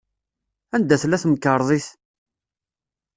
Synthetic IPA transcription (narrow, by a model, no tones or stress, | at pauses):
ænd̪æθlæθməkːəɾˤðˤiθ